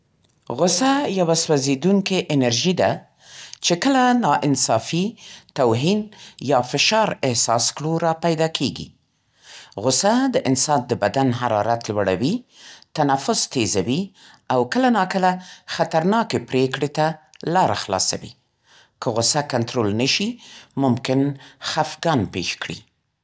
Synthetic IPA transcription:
ɣʊsajawaswazed̪uŋkeʔɪnaɾʒid̪a | t͡ʃekəlanɑʔɪnsɑfit̪awɦinjɑfɪʃɑɾɪhsɑskɽuɾɑpajd̪ɑkʰeɡḭ | ɣʊsad̪əʔɪnsɑd̪̚d̪əbad̪anɦaɾɑɾat̪lwaɽawit̪anafʊst̪ezawi | awkəlanɑkəlaxat̪aɾnɑkepɾekɽet̪alɑɾa̰xlɑ̰sa̰wḭ | kʰəɣʊsakant̪ɾolnəʃimʊmkɪnxafɡɑnpḛʃkɽḭ

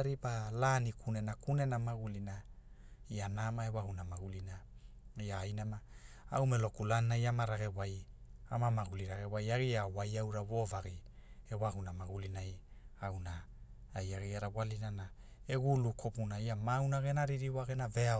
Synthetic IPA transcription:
ɾipalanikʰunenakune̞namaɡulina | ianamaewahunamaɡulinaiaːjnamaawmelo̞kulanːajamaɾaɡe̞wajamamaɡuliɾaɡewajaɡiawajawɾavo̞vaɡiewahunamaɡulinajawna | ajaɡiaɾawalinana | eɡulukʰopunaiamawnaɡenaɾiɾiwaɡenavea

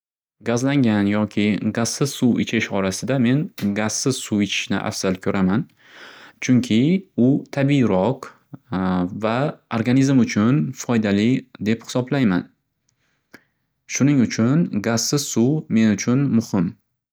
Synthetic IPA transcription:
ɡazlaŋɡʲanjɒkʲʰɪɡaz̥sɪz̥suɪ̰t͡ʃʰɪʃɒɾasɪd̪ame̞nɡaz̥sɪz̥suɪt͡ʃʰɪ̥ʃnɪ̰ʔa̰fz̥alkʲʰɵɾʔaman | t͡ʃʰʊŋkʲʰɪʊt̪ʰabiɾɒq | vaoɾɡanizmʊt͡ʃʰʊnfɒjd̪alɪd̪e̞phɪ̥sɒblajma̰n | ʃʊnɪŋʊt͡ʃʰʊnɡaz̥sɪz̥suwme̞nʊt͡ʃʰʊnmʊhɪm

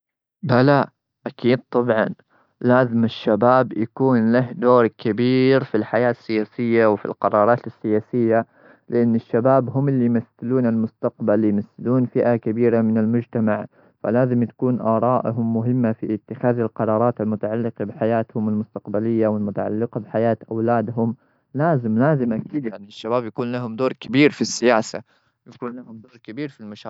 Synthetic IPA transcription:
bala | ʔakiːd̪̚t̪ˤɑbʕɑn | laːzɪmɪʃːabaːbjakuːnlahd̪oːɾkabiːɾfilħajaːsːɪjaːsɪjːawfḭlqɑɾˤɑːɾˤɑːt̪ɪsːɪjaːsɪjːa | lɪʔanːɪʃːabaːbɦʊmɪlːijmaθɪluːnalmʊst̪aqbaljmaθːɪluːnfɪʔakabiːɾamɪnɪlmʊd͡ʒt̪amaʕ | fa̰laːzɪmjt̪ḁkuːnʔɑːɾˤɑːʔɦʊmːʊɦɪmːafiʔɪt̪ːɪxaːðɪlqɑɾˤɑːɾˤɑːt̪ɪlmʊt̪aʕalːɪqɑbɪħajaːt̪hʊmɪlmʊst̪aqbalɪjːawɪlmʊt̪aʕa̰lːɪqɑbħajaːt̪ʔawlaːd̪ɦʊm | laːzɪmlaːzɪmʔakiːd̪jaʕniʃːabaːbjakuːnlaɦʊmd̪oːɾkabiːɾfisːɪjaːsa̰ | jakuːnlahʊmd̪oːɾkabiːɾfilmaʃaː

